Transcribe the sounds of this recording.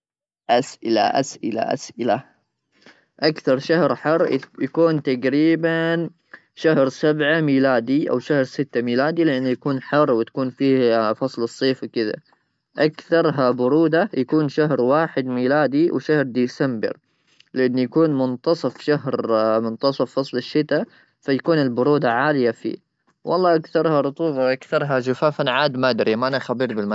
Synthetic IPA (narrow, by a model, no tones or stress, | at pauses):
ʔasʔɪla̰ʔa̰sʔɪla̰ʔa̰sʔɪla | ʔakθɑɾˤʃahɾħɪrːjakuːnt̪aɡɾiːban | ʃahɾsabʕamiːlaːd̪iʔa̰wʃahɾsɪt̪ːamiːlaːd̪ilɪʔanːjakuːnħɑrːwɪt̪ḁkuːnfiːhfɑsˤlɨsˤːeːfwkɪða̰ | ʔakθɑɾˤɦabʊɾuːd̪ajakuːnʃaɦɾwaːħɪd̪miːlaːd̪iwɪʃahɾd̪iːsambɪ̰ɾ | lɪʔanːjakuːnmʊnt̪ɑsˤɑfʃaɦɾmʊnt̪ɑsˤɑfːɑsˤlɪʃːɪt̪a | fajakuːnɪlbʊɾuːd̪aʕaːlɪjafḭː | wʔɑ̰lˤːɑːʔakθɑɾˤhɑɾˤʊt̪ˤuːbɑʔakθɑɾˤɦaʃʊfaːfanʕaːd̪maʔd̪ɾiʔamaʔanaxabiːɾbɪlma